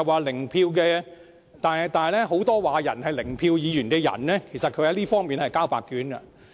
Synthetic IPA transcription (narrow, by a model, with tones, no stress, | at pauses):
ɐ˨waː˨˧lɪ˨˩ŋpʰiː˧wk̬ɛː˧ | t̪aː˨t̪aː˨nɐ˨˩lɛː˥ɦo˨˥wt̪ɔː˥waː˨˧jɐ˨˩nhɐ˨jlɪ˨˩ŋpʰiː˧wjiː˨˧jyː˨˩nkɛː˧jɐ̰˨˩nlɛː˥kʰe˨˩jsɐ˨t̚kʰɵ˧jɐ˨˥liː˥fɔː˥ŋmiː˨nhɐ˨jkaː˥wpaː˨˧kːyː˨˥nkɐ̰˧